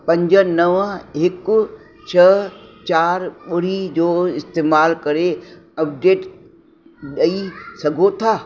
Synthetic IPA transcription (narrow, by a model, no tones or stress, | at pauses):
pɐ̃ɲd͡ʑənɐʋɦɪkʊ | t͡ɕʰɐt͡ɕaːɾɓʊɾ̤id͡ʑoːɪst̪eːmaːlkɐɾeɐp̚ɖeːʈ | ɗɐisɐɡʱot̪ʰaː